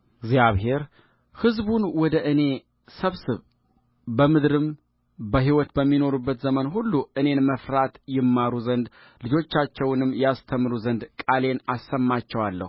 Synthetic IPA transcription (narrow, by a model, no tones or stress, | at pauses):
ɡzjaβɦe̞ɾ | hɨzbunwɔd̪əʔɨne̞ | səβsɨβ | bəmɨd̪ɾɨm | bəɦiwɔt̪bəmːino̞ɾubːət̪zəmənɦulːuʔɨne̞nməfɾat̪jɪmːaɾuzənd̪ | lɨd͡ʒo̞t͡ʃːat͡ʃːɛwnɨmːjɛast̪ʰəmɾuzənd̪kʼale̞nasːəmːat͡ʃːɛwalːə̰h